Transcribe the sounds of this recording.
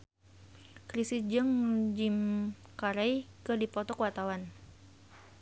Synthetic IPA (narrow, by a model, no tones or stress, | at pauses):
kɾisid͡ʒəŋd͡ʒimkaɾɛjkərdipɔt̪ɔkwat̪awan